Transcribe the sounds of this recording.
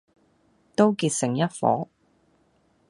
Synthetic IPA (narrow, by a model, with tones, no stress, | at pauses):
t̪o˥wkiː˧t̚sɪ˨˩ŋjɐ˥t̚fɔ̰ː˨˥